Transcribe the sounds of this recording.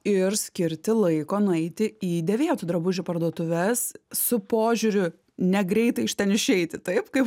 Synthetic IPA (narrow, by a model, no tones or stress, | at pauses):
ɪrsʲkʲɪɾʲt̪ʲɪlˠɐɪkoːnʊɛɪt̪ʲɪiːd̪ʲɛʋʲiɛt̪ʊd̪ɾɐbʊʒʲʊpɐrd̪uɔt̪ʊʋʲɛssʊpoːʒʲʊɾʲʊ | nʲɛɡɾʲɛɪt̪ɐɪɪʃʲt̪ʲɛnɪʃʲɛɪt̪ʲɪt̪ɐɪpkɐɪp